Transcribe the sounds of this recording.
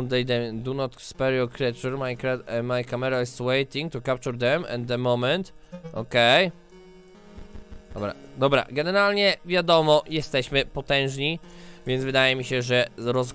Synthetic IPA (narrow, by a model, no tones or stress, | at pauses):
nd̪ɛjd̪ɛmd̪unɔt̪kspɛɾiɔlkɾɛt͡ʃuɾmajkamajkamɛɾaist̪wɛjt̪ĩŋɡ̚t̪ukap̚t͡ʃuɾd̪ɛmɛ̰̃nd̪ɛmɔmɛ̃nt̪ɔ̰kɛj | d̪ɔbɾa̰d̪ɔbɾa̰ɡɛnɛɾalɲɛvʲjad̪ɔmɔjɛst̪ɛɕmɘpɔt̪ɛ̃w̃ʐɲivʲjɛnt̪zvɘd̪ajɛmʲiɕɛʐɛɾɔz